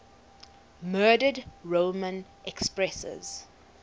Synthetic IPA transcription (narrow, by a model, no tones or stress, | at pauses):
mɜːdədɹomə̃n | ʔɛkspɹɛsə̰z̥